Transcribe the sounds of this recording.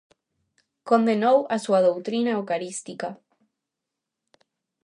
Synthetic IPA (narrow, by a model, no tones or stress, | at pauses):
kond̪enowasuaðowt̪ɾinaekaɾist̪ika